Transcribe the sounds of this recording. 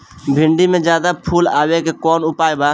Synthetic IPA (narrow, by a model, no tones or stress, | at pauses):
bʱɪɳɖimẽd͡ʒjaːd̪apʰuːla̰ːwekekɔːnʊpaːebaː